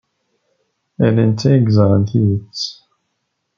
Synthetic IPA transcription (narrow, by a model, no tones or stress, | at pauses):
ælænt̪æəɡzʁənθijət͡sː